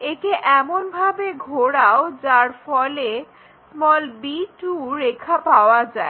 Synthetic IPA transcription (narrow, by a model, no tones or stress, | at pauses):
eʈeʔɛmonbʱabeɡʱoɽaod͡ʑaɾfɔle | mɔlbiʈuɾekʰapaoad͡ʑae